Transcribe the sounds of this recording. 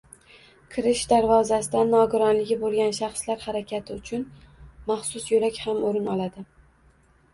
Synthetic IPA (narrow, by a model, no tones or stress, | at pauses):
kʰɪɾɪʃd̪aɾvɒzasɪd̪anːɒɡʊɾɒnlɪɡʲɪbolˠɡʲanʃaχslaɾhaɾakʲat̪ʰɪʊt͡ʃʰʊnmaχsʊsjolakʲhamoɾɪnɒlˠad̪ɪ